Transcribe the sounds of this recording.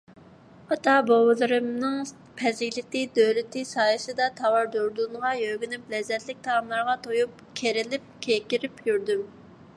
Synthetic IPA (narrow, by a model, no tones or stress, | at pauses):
ɑt̪ɑbowɨlˠɨɾɨmnɨŋ | pʰɛzɪkʲlɪt̪ɪd̪øwlɪt̪ɪsɑːjɨsɨd̪ɑt̪ʰɑwɑɾd̪oɾd̪unʁɑjøɡʲynyplɛzɛt̪lɪk̚ʲt̪ʰɑɑmlˠɑɾʁɑt̪ʰojup̚ | kʲʰeɾɪlɪp̚kʲʰekʲiɾɪpjyɾd̪ym